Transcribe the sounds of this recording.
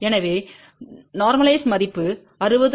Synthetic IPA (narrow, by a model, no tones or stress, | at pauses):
ɛnɐʋeː | naːɾmɐlɐɪsmɐðɪpːɯ | ɐɾɯbɐð